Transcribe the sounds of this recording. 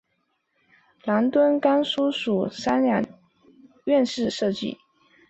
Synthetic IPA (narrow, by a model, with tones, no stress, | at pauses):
la˧˥nt̪wə˥nka˥nsu˥ʂu˨˩sa˥nɻa˧˥n | ɥɛ˥˧nʂɻ̩˥˧ʂɤ˥˧t͡ɕḭ˥˩